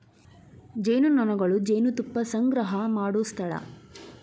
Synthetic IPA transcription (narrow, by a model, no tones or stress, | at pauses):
d͡ʒejnunɔnɐɡɐɭud͡ʒejnut̪upːɐsɐŋɡɾɐɦɐmaːɽust̪ʰɐɭɐ̰